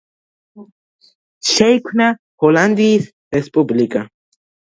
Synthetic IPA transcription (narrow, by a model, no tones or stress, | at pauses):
ʃejkna | holand̪is | ɾespublika